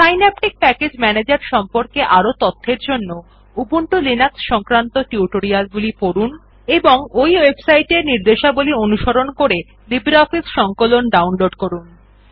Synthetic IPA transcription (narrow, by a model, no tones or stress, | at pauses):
sajnɛpʈik̚pɛked͡ʑmɛned͡ʑaɾʃɔmpoɾkeʔaɾot̪ot̪ʰːeɾd͡ʑonːo | ubuɳʈulinaksʃɔŋkɾant̪oʈiuʈoɾialɡulipoɾun | eboŋojwebsajʈeɾniɾd̪eʃabulionuʃoɾonkoɾe | libɾɔfisʃɔŋkolonɖawnloɖkoɾun